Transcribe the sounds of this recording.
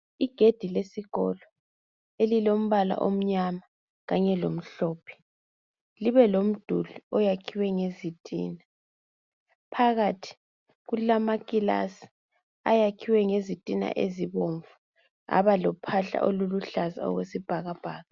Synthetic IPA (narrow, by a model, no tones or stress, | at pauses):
iɡ̥ʱed̥ʱilesiɣɔ̰lɔ | elilom̩βala̰ʔom̩ɲama | ɣaɲɛlom̩ɬɔːpʰɛ̥ | liβɛlom̩d̥ʱuluɔjakʰiwɛŋezitʼḭːna | pʰaɣatʰi̥ | ɣulamakʼila̰si̥ | a̰jakʰiwɛŋezitʼina̰ʔeziβoɱvu | a̰βalɔpʰaɬa̰ʔoluluɬaza̰ɔ̰ɣwesib̥ʱaɣab̥ʱaːɣa